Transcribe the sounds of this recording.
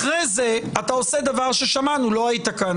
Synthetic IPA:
χʁejze̞at̪ao̞se̞d̪avaʁʃe̞ʃamanulo̞ait̪akan

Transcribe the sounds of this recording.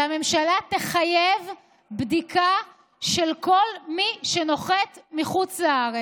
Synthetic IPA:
ame̞mʃalat̪eχajev | bd̪ika | ʃelko̞lmiʃeno̞χetmiχut͡slaaʁe

